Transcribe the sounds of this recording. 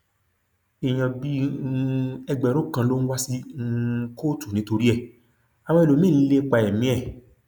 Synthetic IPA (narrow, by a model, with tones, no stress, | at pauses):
i˨j̃ã˨bi˦˧ | ɛ˧ɡ͡bɛ˨˦ɾũ˦kã˧˦lo˦n̩˦wa˦si˦˧ | ko˦˨tu˨nĩ˨˦to˧ɾi˦ɛ˦˨ | a˨w̃ã˧i˨lo˨˦mĩ˦˨˦le˦˧k͡pa˧˨ɛ˨mĩ˨˦ɛ˦˨